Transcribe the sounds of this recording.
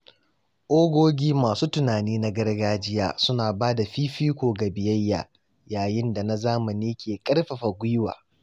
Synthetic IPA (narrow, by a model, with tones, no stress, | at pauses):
ʔoː˦ɡʷoː˦ɡʲiː˦maː˨suː˦tʊ˨naː˨niː˦na˦ɡɐ˦rɡaː˦d͡ʒɪ˦ja̰ː˦sʊ˦naː˨baː˦da˨ɸiː˦ɸiː˦kʷoː˨ɡa˨bɪ˨jɐ˦jːa̰ː˨ | jaː˨jɪ˦nda˨na˦zaː˦mɐ˨niː˦kʲʰeː˨kʼɐ˦rɸa˨ɸa˨ɡʷʊ˦jwa̰ː˨